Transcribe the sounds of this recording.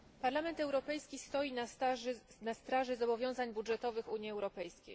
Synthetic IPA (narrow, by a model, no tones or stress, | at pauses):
paɾlamɛnt̪ɛwɾɔpɛjskʲist̪ɔjina | nast̪ɾaʐɘzɔbɔvʲjɔ̃w̃zaɲbudʐɛt̪ɔvɘxuɲiɛwɾɔpɛjskʲḛj